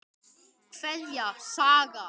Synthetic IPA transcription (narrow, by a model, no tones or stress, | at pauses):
fɛljasaːɡa